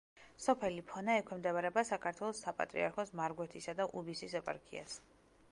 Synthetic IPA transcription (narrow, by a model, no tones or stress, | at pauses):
sɔpʰɛlipʰɔnaɛkʰwɛmd̪ɛbaɾɛbasakʰaɾt̪ʰwɛlˠɔsːapʼa̰t̪ʼɾḭaɾkʰɔsmaɾɡwɛt̪ʰisad̪aʔubisisɛpʼa̰ɾkʰḭa̰s